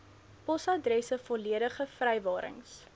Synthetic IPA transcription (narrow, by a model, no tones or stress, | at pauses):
pɔsɐdrɛsəfɔliəɾəχəfrɛjvɑːɾə̰ŋs